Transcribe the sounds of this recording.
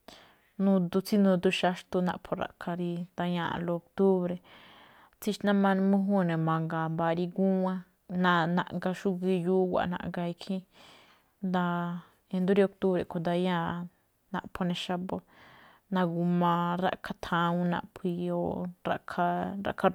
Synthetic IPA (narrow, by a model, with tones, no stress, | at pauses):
nũ˧d̪u˧t͡si˦nũ˧d̪u˧ʃa˧ʃt̪u˧nã̰˧ʔpʰo˧ɾa̰˨ʔkʰa˧ɾi˧d̪a˧jã̰˧˨˧lo˧o˧k̚t̪u˦βɾe˧ | t͡si˧ʃnã˦mã˧n˧mũ˦ɦũ˦˧nẽ˨mã˨ŋɡa˨mba˧ɾi˧ɡu˦ã˧ | nã˧nã̰˧ʔŋɡa˧ʃu˦ɡi˧ju˦wʷa̰˨nã̰˧ʔŋɡa˧i˧kʰĩ˦ | nd̪a˧ | e˧nd̪u˦ɾi˧o˧k̚t̪u˦βɾe˨kʰo˨˧d̪a˧jã˦˧ | nã̰˧ʔpʰo˧nẽ˧ʃa˧bo˧ | nã˧ɡu˧mã˧ɾa̰˧ʔkʰa˧t̪ʰã˧ũ˧nã̰˧ʔpʰi˧o˧ɾa̰˧kʰa˧ɾa̰˧ʔkʰa˧